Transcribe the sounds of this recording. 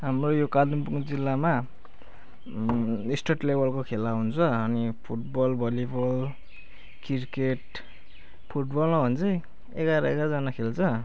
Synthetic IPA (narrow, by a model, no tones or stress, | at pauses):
ɦamrojokalumpukod͡zilːama | isʈʌʈlebʱʌlkokʰelaɦunt͡sʰʌːnipʰuʈ̚bʌlbʱʌlibʌl | kirkeʈ̚ | pʰuʈbʌlmabʱʌnt͡sʰʌj | eɡaɾʌeɡad͡zanakʰelt͡sʰʌ